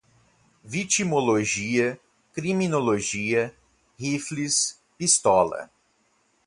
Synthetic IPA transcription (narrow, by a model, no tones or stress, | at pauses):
vit͡ʃimoloʒiɐ | kɾiminoloʒiɐ | hiflis | pist̪ɔlɐ̰